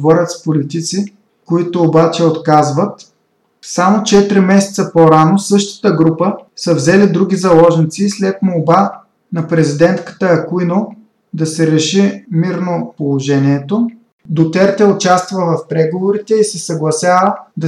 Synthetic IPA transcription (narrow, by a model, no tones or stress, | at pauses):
vɔɾət̪spolit̪it̪si | koit̪ʊːbat͡ʃɛot̪kazvɐt̪ | samot͡ʃɛt̪iɾimɛsɛ̥t̪səpoɾanosɤʃt̪ə̥t̪əɡɾupəsəvzɛlid̪ɾuɡʲizɐlˠɔʒnit̪sislɛt̪molˠba | nɐpɾɛzid̪ɛnt̪kə̥t̪əɐkuino | d̪ɐsɛɾɛʃimiɾnopolˠoʒɛnʲiɛt̪o | d̪ot̪ɛɾt̪ɛʊt͡ʃast̪vəvɐfpɾɛɡovoɾit̪ɛisɛsɐɡlˠɐsʲjavəd̪ɐ